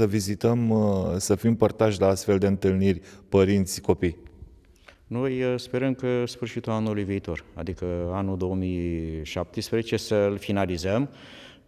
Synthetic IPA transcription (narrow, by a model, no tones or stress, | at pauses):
əvizit̪əmsəfimpərt̪aʃlaast̪fe̞ld̪eɨnt̪ɨlnirʲpəɾint̪sʲko̞pij | no̞jspe̞ɾəmkəsfɨrʃit̪ulanulujviːt̪o̞̰ra̰d̪ikəanud̪o̞omijʃap̚t̪əspɾezet͡ʃe̞səlfinalizəm